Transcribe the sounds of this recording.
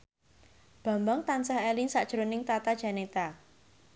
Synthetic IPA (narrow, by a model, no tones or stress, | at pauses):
b̥a̤mbaŋt̪ansahɛlɪnsaʔd̥ʒ̥ɾonɪŋt̪at̪ad̥ʒ̥a̤net̪a